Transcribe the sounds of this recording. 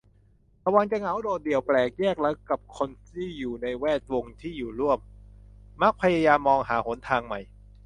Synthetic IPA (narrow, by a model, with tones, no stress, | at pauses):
ɾa˧wa˧ŋt͡ɕa˧ŋa˩˦wdoː˨˩t̪̚di˨˩əwplɛː˨˩k̚jɛː˥˩k̚la˧˦˥kːa˨˩p̚kʰo˧nt̪ʰiː˥˩juː˨˩na˧jwɛː˥˩t̪̚wo˧ŋt̪ʰiː˥˩juː˨˩ɾu˥˩əmː | a˦˥k̚pʰa˧ja˧jaː˧mːɔː˧ŋɦaː˩˦ho˩˦nt̪ʰaː˧ŋma˨˩j